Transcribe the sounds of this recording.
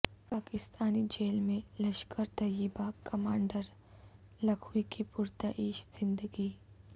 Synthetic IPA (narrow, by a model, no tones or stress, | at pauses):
paːkɪst̪aːnid͡ʒeːlmẽlɐʃkəɾt̪ɐjəbakɐmaːɳɖəɾ | lɐkʰuikipʊɾt̪aʔiːʃz̥ɪ̃nd̪əɡiː